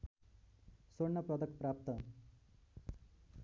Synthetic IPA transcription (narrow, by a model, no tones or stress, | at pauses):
sornʌprʌd̪ʌkprap̚t̪ʌ